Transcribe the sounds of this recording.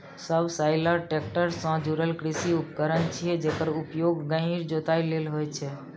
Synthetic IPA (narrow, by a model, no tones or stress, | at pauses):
səbsaɪləɾʈek̚ʈəɾsə̃d͡ʒuɾəlkɾisiupkəɾənt͡ʃʰiɦɛd͡ʒekəɾupjoɡːə̃ɦiɾd͡ʒot̪ailelɦojt͡ʃʰɛ